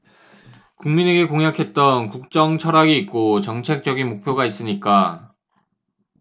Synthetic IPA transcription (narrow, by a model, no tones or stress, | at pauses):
kuŋmine̞ɡe̞koŋjakʰe̞t̚t͈ʌnkuk̚t͡ɕ͈ʌŋt͡ɕʰʌɾaɡiːk̚k͈ot͡ɕʌŋt͡ɕʰe̞k̚t͡ɕ͈ʌɡinmok̚pʰjoɡais͈ɯɲik͈a